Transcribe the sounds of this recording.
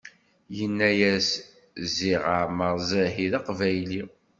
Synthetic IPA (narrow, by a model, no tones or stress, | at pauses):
jənːæjæs | ziʁəʕməɾˤzæɦiðɑqvæjli